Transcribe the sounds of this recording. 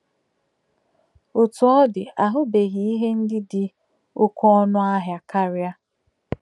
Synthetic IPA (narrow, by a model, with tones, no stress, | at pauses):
o˨tu˨˦ɔ˦dɪ˨a˨ɦʊ˦be˨ɣi˨˦i˦ɦe˦n̩˦dɪ˦dɪ˨ | ʊ˦kɔ˦ɔ˦nʊ˦a˦ɦja˨ka˦ɾja˦